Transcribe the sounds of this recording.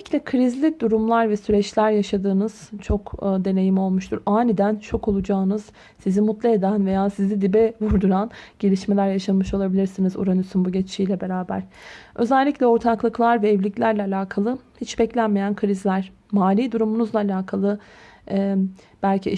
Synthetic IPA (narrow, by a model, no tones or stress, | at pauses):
clʲɛkʰɯɾizlʲid̪uɾumlˠaɾvɛsyɾɛt͡ʃlʲæɾjaʃad̪ɯːnɯz̥t͡ʃʰo̞kːd̪e̞ne̞jimo̞lˠmuʃt̪ʰuɾaːnid̪ænt͡ʃʰo̞ko̞lˠud͡ʒaːnɯz̥ | sizimut̪lˠaed̪ænve̞jaːsizid̪ibɛvuɾd̪uɾanɟ̥elʲiʃme̞lʲæɾjaʃanmɯʃo̞lˠabilʲiɾsinizṵɾanɯsynbuɟɛt͡ʃt͡ʃʰijlʲɛbe̞ɾaːbæ̰ɾ̥ʔø̞zɛlʲːiclʲɛo̞ɾt̪ʰaklˠɯklˠaɾvɛːvlʲiclʲæɾlʲɛalʲaːkʰalˠɯhit͡ʃbɛclʲænme̞jænkʰɯɾizlʲæɾ̥ | maːlʲiːd̪uɾumunuzlˠaːlʲaːkʰalˠɯ | ɛb̥ælʲcʰi